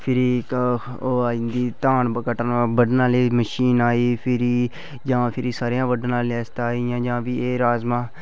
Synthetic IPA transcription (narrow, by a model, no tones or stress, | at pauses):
pʰɪɾiː | oːaːɪ̃nd̪iːt̪aːɳkəʈənbəɖnãːleːməʃiːnaːiːpʰɪɾiː | d͡ʒãːpʰɪɾiːsaːɾejãːʋəɖnãːleɛːst̪aːijãːd͡ʒãːʋiːeːɾaːzmãː